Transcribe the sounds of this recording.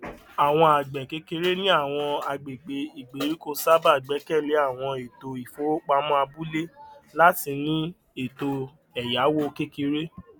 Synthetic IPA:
a˨w̃ɔ̃˧a˨ɡ͡bɛ˨ke˦ke˧ɾe˦nĩ˦a˦˨w̃ɔ̃˧a˧ɡ͡be˨ɡ͡be˧i˨ɡ͡be˨˦ɾi˦ko˧sa˦ba˦˨ɡ͡bɛ˨˦kɛ˦˨le˨˦a˦˨w̃ɔ̃˧e˨to˧i˨fo˨˦k͡pa˧mɔ̃˦a˧bu˦le˦la˦ti˧nĩ˦ | e˨to˧ | ɛ˨ja˨˦wo˦˧ke˦ke˧ɾe˦

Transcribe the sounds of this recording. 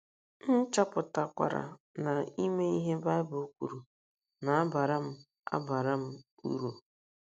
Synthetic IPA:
n̩˦t͡ʃa˦pʊ˨ta˨kʷa̰˨ɾa̰˨na˨i˦me˦i˦ɦe˦ba˦ɪ˦bu˨˦kʷṵ˨ɾu˨ | na˨a˦ba˨ɾa˦m̩˦ | a̰˦ba˨ɾa˦m̩˦ | ṵ˦ɾu˨

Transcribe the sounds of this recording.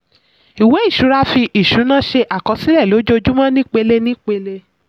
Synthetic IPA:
i˨we˨˦i˦˨ʃu˨˦ɾa˦fi˧ʔi˨ʃu˨˦nã˦ʃe˧ʔa˨kɔ˧si˨˦lɛ˦˨lo˨˦d͡ʒo˧˦d͡ʒu˦mã˦nĩ˦k͡pe˧le˧nĩ˦k͡pe˧le˧

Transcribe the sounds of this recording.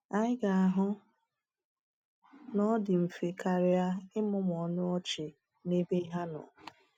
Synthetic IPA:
a˦ɪ˦ɡa˨a˨ɦʊ˦ | nɔ˦dɪ˨m̩˨fe˨ka˨ɾɪ˨a˦ɪ˦mʊ˦m˨ɔ˨nʊ˦ɔ˦t͡ʃɪ˨ | ne˦be˦i˦ɦa˦nɔ̰˨

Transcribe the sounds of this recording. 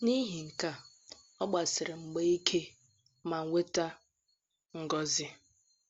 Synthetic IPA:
ni˦ɦi˨ŋ̩˨ka˦ | ɔ˦ɡ͡ba˨sɪ˨ɾɪ˨ŋ͡m̩˨ɡ͡be˦i˦kʰe˦ | ma˨ŋ̩˨ŋʷe˦ta˦ | ŋ̩˨ɡɔ˦zɪ˦

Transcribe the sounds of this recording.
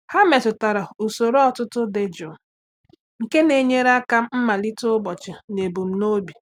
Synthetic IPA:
ha˦me˨tʊ˨ta˨ɾa˨u˨so˨ɾɔ˨tʊ˦tʊ˦de˨d͡ʒʊ˨ | ŋ̩˨ke˦ne˨ɲe˦ɾa˦ka˦m̩˦m̩˦ma˨li˦tʊ˦bɔ˨t͡ʃɪ˨ne˨bu˨m̩˦no˦bi˨

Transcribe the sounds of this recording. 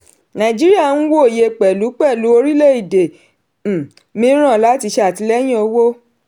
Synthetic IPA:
nã˨d͡ʒi˦ɾi˦a˦˨nũ˦wo˦˨je˧k͡pɛ˨lu˨˦k͡pɛ˦˨lu˨˦o˧ɾi˦le˦˨i˦˨de˨ | mĩ˦ɾ̃ã˦˨la˨˦ti˧ʃe˧˦a˨ti˧˦lɛ˦j̃ĩ˦o˧wo˦

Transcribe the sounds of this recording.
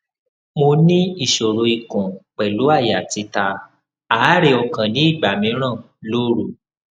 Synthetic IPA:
mo˧nĩ˦i˦˨ʃo˨ɾo˨i˨kũ˨k͡pɛ˨lu˨˦a˦˨ja˨ti˨˧ta˧ | a˨˦ɾe˧ɔ˧kã˨nĩ˨˦i˦˨ɡ͡ba˨mĩ˨˧˦ɾ̃ã˦˨ | lo˦ɾu˦˨

